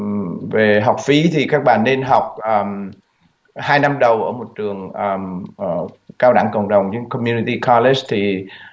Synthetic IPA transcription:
ve˨˩ɦa˨˩wk͡p̚fi˨˦t̪ʰi˨˩kaː˦˥k̚ɓa̰ː˧˨nːe˧nɦa˨˩wk͡p̚ʔəː˨˩m | haː˧jna˧mɗə˨˩wʔəː˧˩mo˨˩t̚t͡ɕɨ˨˩əŋʔə˨˩˨ | kaː˧wɗa̰˧˩ŋkə̰˧˨wŋ͡mɗə˨˩wŋ͡mɲɨ˧˥kɔ˧mju˧ni˧t̪i˧ka˧le˦st̪ʰi˨˩

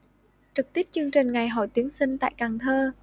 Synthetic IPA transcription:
t͡ɕɨ˨˩k̚t̪i˦˥p̚t͡ɕɨ˧əŋt͡ɕï˨˩ŋ̟ŋa˨˩jɦɔ˧˩jt̪i˨˦əŋsï˧ŋ̟t̪a̰ː˧˨jkaː˨˩ŋt̪ʰəː˧

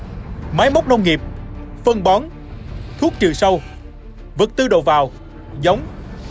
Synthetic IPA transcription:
maː˨˦jmə˦˥wk͡p̚nə˧wŋ͡mŋi˨˩əp̚fə˧ŋɓɔ˨˦n | t̪ʰu˦˥ək̚t͡ɕɨ̰˧˩sə˧w | vɨ˨˩k̚t̪ɨ˧ɗo̰˧˨˩vaː˨˩w | zə˨˦wŋ͡m

